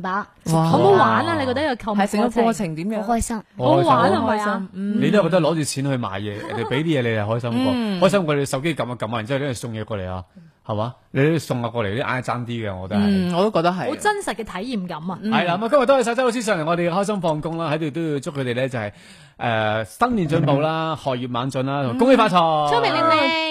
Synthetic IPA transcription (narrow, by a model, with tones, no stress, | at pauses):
paː˨˧ | waː˨t̪o˨˥waː˨˥naː˧le˨˧jkɔː˧t̪ɐ˥jkʰɐ˧wɐ˨jsɪ˨ŋɔ˨˥kwɔː˧t͡sʰɪ˨˩ŋt̪i˨˥mjœ˨˧ŋhɔː˥jsɐ˥mɔ˨˥˧waː˨˥˧hɔː˥jsɐ˧˥m̩˧ne˧t̪o˥˨kɔ˧t̪ɐ˥klɔː˨˥t͡ʃyː˨t͡sʰiː˨˥nhɵ˧ɥma̰ː˨˩jjɛː˧jɐ̰˨nhɐ˨˩pe˨˥jt̪iː˦˥jɛː˨˧le˨˧tːhɔː˥jsɐ˥mkɔː˧hɔː˥js̬ɐ˥mkɔ˧le˨˧sɐ˨wk̬e˥kɐ˨˧ma˧kɐ˨˥ma˧˨˩t͡sːsʊ˧ŋjɛː˧kɔː˧lḛ˨˩ja̰ː˧ | hɐ˨˩maː˨˦ | le˨˧jt̪o˥jsʊ˧ŋaː˧pkɔː˧lʔa̰ː˧˩t͡saː˥nt̪iː˥ɡɛ˧ɔ̰ː˨˧kɔ˧t̪ɐ˥hɐ˨˩ŋɔː˨˧t̪o˥kɔː˧k̚t̪ɐ˥k̚ɦɐ˨jt͡sɐ˥nsɐ˨t̚kɛː˧t̪ʰɐ˨˥jjiː˨mkɐ˨˥mɐ˧hɐ˨jlaː˧˥ma˨˧kɐ˥mjt̪ːo˥ɐ˨˧sa˧tt͡sɐ˥ht͡sʰi˧s̬œː˧˨ŋɛ˨˩ŋɔ˨˧ɾe˨ɡɛ˧ɦɔː˥jsɐ˥mfɔː˧ŋkʊ˥ŋlaː˥hɐ˨˥jt̪o˨wt̪o˥wji˧wt͡sʊ˥kʰːɵ˨˧ɾe˨jlɛː˥t͡sɐ˨hɐ˨j | ʔɛː˧sɐ˥nliː˨nt͡sɵ˨˧˥npo˨˧wlaː˦˥hɔː˨jyː˨˩t̚maː˨˧˥nt͡sɵ˨˧nlaː˥t̪ʰʊ˨˩ŋkʊ˥ŋe˥faː˧t͡sʰɔ˨˥m˨